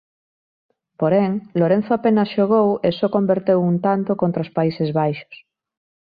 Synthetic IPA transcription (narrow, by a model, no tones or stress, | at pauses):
poɾeŋloɾen̟θoapenasʃoɣ̞owesoko̞mbeɾt̪ewunt̪ant̪okont̪ɾaospaisezβajʃo̥s